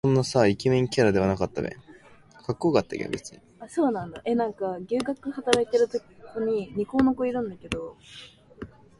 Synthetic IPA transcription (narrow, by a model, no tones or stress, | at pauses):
õnːasaikʲimẽŋkʲaɾad̪e̞βanakat̪ːa̰bḛ̃ŋ | kakːo̞ːkat̪ːa̰kʲḛɡet͡sɨ̥ɲi | aso̞ːnãnd̪aʔe̞nãŋkaɡʲɨːɡakɯ̟hat̪amet̪eɾɯ̟t̪okʲkoɲ̟iɲ̟iko̞ːnoko̞iɾɯ̟̃nd̪ake̞d̪o̞